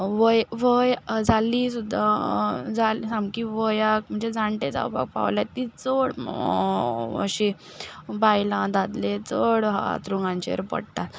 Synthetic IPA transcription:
ʋəjʋəjd͡zaliːsud̪ʱːad͡zalsãmkiʋəjak̚m̤əɳd͡zed͡zãɳʈed͡za̰wpa̰k̚pa̰ʋljat̪ːit͡soɽ | ə̰ɕi | bajlãd̪ad̪let͡soɽɦa̰t̪ɾuŋɡãɲt͡ɕḛɾpə̰ɽt̪at̪

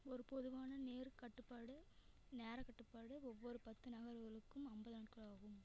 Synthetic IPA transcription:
ɔɾɯpɔðɯʋaːnɐneːɾkɐʈːɯpːaːɽɯ | neːɾɐkɐʈːɯpːaːɽɯɔʋːɔɾɯpɐt̪ːɯnɐɣɐɾɣɐɭɯkːɯmɐmbɐðnːʈkɐɭaːɣɯm

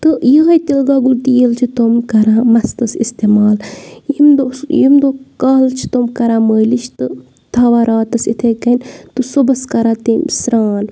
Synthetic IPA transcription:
t̪ɨjiɦɐjt̪ilɡaːɡult̪ijilt͡ʃʰit̪omkɐɾaːmɐst̪ɐsist̪eːmaːljimd̪ojimd̪oːkaːlt͡ʃʰi̥t̪omkɐɾãːməːlit͡ʃʰt̪ɨ | t̪ʰaʋaːɾaːt̪ɐsit̪ʰekɐnʲt̪ɨsobɐskɐɾaːt̪eːmsɾaːn

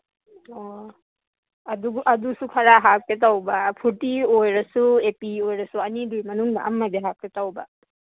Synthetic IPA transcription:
ɔ | aduʔad̪usukʰaɾaɦap̚ket̪awbapʰuʈiojɾasuepiojɾasuanid̪ujmanuŋda̰ʔa̰mːad̪eɦap̚kɛtawba̰

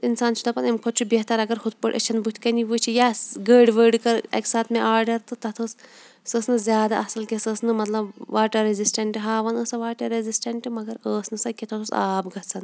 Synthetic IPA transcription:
insaːnt͡ʃʰud̪ɐpɐnɐmkʰot̪t͡ʃʰubeɦt̪ɐɾɐɡɐɾxut̪̚pəʈɐ̰t͡ʃʰɐnbut̪ʰʲkɐniʋuːt͡ʃʰijaːsɡəːɖʋəːɖkɐɾḛksaːt̪ʰmẽʔaːɾɖɐɾt̪ɨt̪ɐt̪ʰɐs | səsnɨzʲjaːd̪a̰ʔɐsɐlkʲesəːsnɨmɐt̪lɐbʋaːʈɐɾːezisʈɐɳʈɨɦaːʋɐnəːsɐʋaːʈɐɾezisʈɐɳʈɨmɐɡɐɾəːsnɨsɐkʲet̪ʰot̪ʰusaːbɡɐt͡sʰɐn

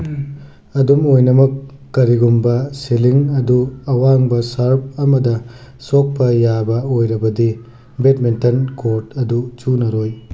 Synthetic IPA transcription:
ɐdumojnɐmɐkː | ɐɾiɡumbɐseliŋɐduɐwaŋbɐsɐɾp̚ɐmɐdɐ | sok̚pɐjabɐojɾɐbɐdi | betmentɐnkoɾtɐdut͡ʃunɐɾoj

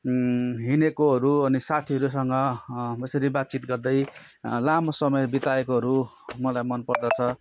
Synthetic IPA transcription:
ɦinekoɦʌɾuʌnisat̪ʰiɦʌɾusʌŋɡʌʌsʌɾibat̪̚t͡sit̪ɡʌrd̪ʌj | lamosʌmʌjbit̪aekoɦʌɾu | mʌlajmʌnpʌrd̪ʌt͡sʰʌ

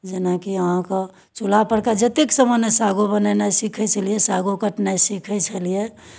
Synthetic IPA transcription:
d͡ʒenakiəɦãkə | t͡ʃulapəɽkad͡ʒət̪eksəmənesaɡubənɛnasikʰɛt͡ʃʰəlijesaɡokəʈnasikʰɛt͡ʃʰəlije

